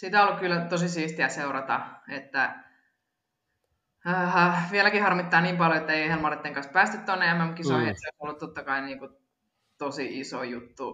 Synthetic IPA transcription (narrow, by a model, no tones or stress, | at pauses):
sit̪æolːukkylːæt̪osisiːst̪iæseurɑt̪ɑ̰et̪ːæ | ʋielækihɑrmit̪ːɑːniːmpɑljoet̪ːæeiehelmɑret̪ːeŋkɑnspæːst̪yt̪t̪onːeæmːæmkisohet̪soˑisolːut̪tot̪ːɑkɑiniːŋku | t̪osiisojut̪ːu